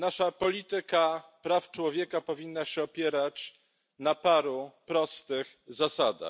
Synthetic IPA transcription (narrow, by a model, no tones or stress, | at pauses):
naʂapɔlʲit̪ɘkapɾaft͡ʂwɔvʲjɛkapɔvʲinːaɕɛɔpʲjɛɾat͡ɕ | napaɾupɾɔst̪ɘɣ | zasad̪a̰